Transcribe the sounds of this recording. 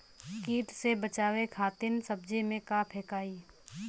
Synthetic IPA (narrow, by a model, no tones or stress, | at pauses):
kiːʈ̪sebət͡ʃaːʋekʰaːt̪ɪnsəb̚d͡ʒemẽkaːpʰeːkaːiː